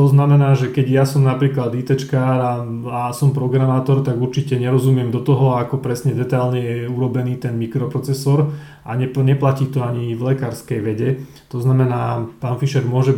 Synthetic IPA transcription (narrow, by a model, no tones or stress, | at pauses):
t̪ɔznamɛnaːʒɛkɛɟjasɔmnapɾiːklad̪iːt̪ɛt͡ʃkaːɾaasɔmpɾɔɡɾamaːt̪ɔɾt̪aɡuɾt͡ʃicɛɲɛɾɔzumɪɛmd̪ɔt̪ɔɦɔakɔpɾɛsɲɛd̪ɛt̪ajlɲɛjɛuɾɔbɛniːt̪ɛnmikɾɔpɾɔt͡sɛsɔɾ | ʔaɲɛɲɛplaciːt̪ɔaɲivlɛkaːɾskɛjʋɛɟɛ | t̪ɔznamɛnaːpaːnfiʃɛɾmʊɔʒɛ